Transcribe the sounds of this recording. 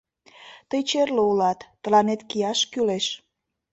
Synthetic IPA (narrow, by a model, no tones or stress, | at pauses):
t̪əjt͡ɕerloulɑt̪ːə̆lɑnet̪kijɑʃkyleʃ